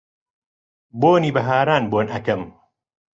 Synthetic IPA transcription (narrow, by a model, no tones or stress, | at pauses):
boːniːbɐɦaːɾaːnboːnʔɐkɐm